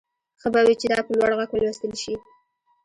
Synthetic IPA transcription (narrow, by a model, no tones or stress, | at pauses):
xəbawit͡ʃed̪ɑpəlwaɽɣakwalwest̪əlʃi